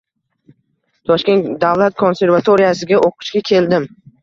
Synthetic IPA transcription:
t̪ʰɒʃkʲe̞nt̪d̪avlˠat̪̚kʰo̞nse̞ɾvat̪ʰoɾijasɪɡʲaʔoqʰɨ̥ʃkʲakʲʰe̞ld̪ɪm

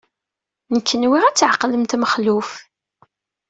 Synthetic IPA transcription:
nəkʰːənwiʁæt͡sːʕqːləmt̪məχluf

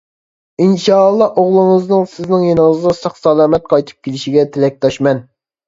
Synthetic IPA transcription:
inʃɑlˠːɑʔoʁlˠʊŋɨznɨŋsɪznɪŋjenɪŋəznɑsɑχsɑlˠɑːmɛt̪̚qʰɑjt̪ʰɨ̥p̚kʲelɪʃiɡʲɛt̪ʰɪlɛk̚ʲt̪ʰɑʃmɛn

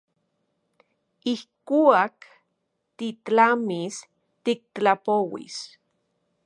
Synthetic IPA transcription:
ihkuak | t̪itlamis | t̪ik̚t̪t͡ɬapowḭs

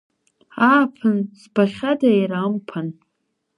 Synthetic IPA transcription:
aːpʰɨnsbaχʲadajɾampʰan

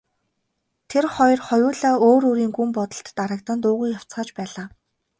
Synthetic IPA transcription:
t̪ʰerχɔj̆rχɔjʊːɮaːoːɾoɾiːŋɡumpɔt̪ɞ̆ɬt̪ːaɾə̆k̚t̪ə̆nt̪ʊːʁuːjaw̥t͡sχaːt͡ɕpæːɮaː

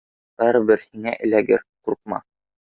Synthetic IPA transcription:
æɾbɘɾhiŋæʔɘ̆læɡɘɾquɾq̚mɑ̰

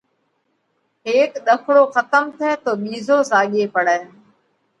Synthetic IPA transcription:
ɦeːkɗ̪əkʰɽoːxət̪əmt̪ʰɛːt̪oːɓiːzoːsaːɠeːpəɽɛː

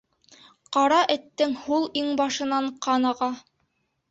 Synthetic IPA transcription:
qɑɾɑʔɘ̆t̪ːɘŋhulˠiŋbɑʃɤ̆nɑɴqɑnɑʁɑ

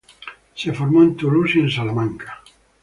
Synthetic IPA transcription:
sefoɾmoent̪ulusiensalamãŋkḁ

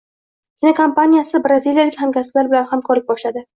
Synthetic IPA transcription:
kʲɪnakʰampanijasɪbɾazilijalɪkʲhamkʲasɪlaɾbɪlanhamkʰɒɾlɪk̚bɒʃlad̪ɪ

